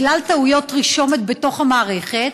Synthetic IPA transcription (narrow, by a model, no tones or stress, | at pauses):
lalt̪aujo̞t̪ʁiʃo̞me̞t̪be̞to̞χhamaːʁeχe̞t̪